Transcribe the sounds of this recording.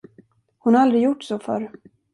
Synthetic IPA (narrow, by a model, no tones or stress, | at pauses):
hʊnhaɾald̪ɾɪɡjʊʈːsɔfœ̰ɾ